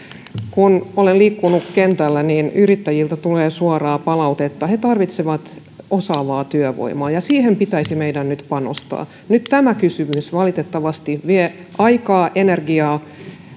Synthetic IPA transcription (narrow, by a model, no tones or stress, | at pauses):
kunoleliːkːunukkent̪ælːæniːnyrit̪ːæjilt̪æt̪uleːsuɑrɑːpɑlɑut̪et̪ːɑhet̪ɑrʋit̪seʋɑt̪ | osɑːʋɑːt̪yøʋo̰imɑːjɑsiːhempit̪æisimeidænnyt̪pɑno̰st̪ɑ̰ː | nyt̪t̪æmækysymysʋɑlit̪et̪ːɑʋɑst̪iʋie | ʔɑikɑːʔenerɡiɑː